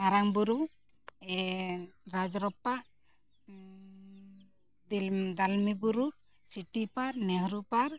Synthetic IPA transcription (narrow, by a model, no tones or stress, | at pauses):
aɾaŋbuɾu | ɛ | ɾad͡ʒɾɔpaʔ | d̪ild̪almibuɾu | siʈipaɾnɛɦɾupaɾ